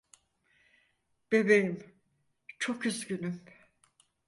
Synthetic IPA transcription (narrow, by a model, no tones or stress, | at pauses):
b̥e̞bejim | t͡ʃʰo̞kyzɟynym